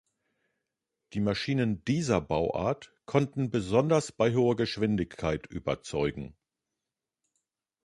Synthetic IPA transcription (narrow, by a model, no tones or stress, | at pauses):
d̥iːmaʃiːnəndiːzɐbaʊʔa̰ːɐtkʰɔntn̩bəzɔndɐsb̥aɪɦoːɐɡəʃv̥ɪndɪçkʰːaɪtʔy̰ːbɐ̰t͡sɔʏɡŋ̩